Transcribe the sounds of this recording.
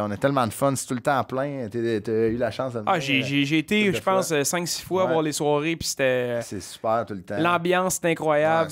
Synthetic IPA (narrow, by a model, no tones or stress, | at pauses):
ɔ̃nɛt̪ɛlmɑ̃d̪əfɔnse̥t̪ult̪ãːplɛ̃t̪t̪əylaʃɑ̃sd̪əvaʒeʒeʒeːt̪eʒəpɑ̃səsɛ̃ŋksi̥fwaːvwaːʁleswɑːʁepi̥se̥t̪ɛsesy̥pæːʁt̪ult̪ãlɑ̃ːbjɑ̃sːe̥t̪ɛ̃kχwajab